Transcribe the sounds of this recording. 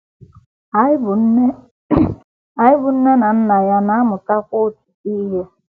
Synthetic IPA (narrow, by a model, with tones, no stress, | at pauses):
b | a˨ɪ˦bʊ˨n̩˦ne˦na˨n̩˦na˨ja˦na˦mʊ˨ta˦kʷo˦˨t͡ʃu̥˨i˦ɦa˦